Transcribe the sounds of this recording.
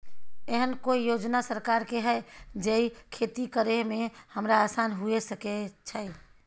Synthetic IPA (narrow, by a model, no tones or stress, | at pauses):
eɦənkoijoːd͡ʒnasəɾkaɾkeɦɛɪd͡ʒeikʰet̪ikəɾemẽhəmɾaasanɦuesəket͡ʃʰə